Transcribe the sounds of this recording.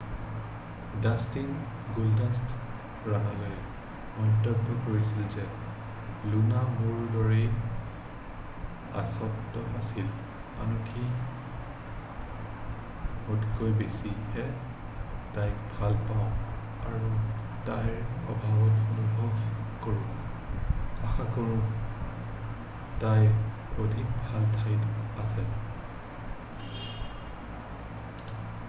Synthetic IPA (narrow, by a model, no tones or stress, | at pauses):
dastiŋ | ɡuldast | ɹanɔloj | mɔntɔbʱɔkoɹisilzɛ | lunamuɹdɔɹɛ | a̰sɔtːɔasil | manukʰi | mɔdkojbesihɛ | tajkbʱalpaʊ̃ | aɹu | tajɹɔ̰bʱabɔtxɔmubʱɔkoɹũ | axakoɹũ | taj | odʱik̚bʱaltʰajtasɛ